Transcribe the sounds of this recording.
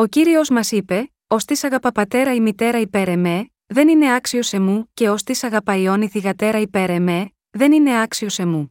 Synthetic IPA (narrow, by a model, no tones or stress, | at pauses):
o̞ciɾio̞zmɐsipe̞ | o̞st̪isɐɣɐpɐpɐt̪e̞ɾɐimit̪e̞ɾɐipe̞ɾe̞me̞ | ðe̞nine̞ɐksio̞se̞muce̞o̞st̪isɐɣɐpɐio̞niθiɣɐt̪e̞ɾɐipe̞ɾe̞me̞ | ðe̞nine̞ɐksio̞se̞mu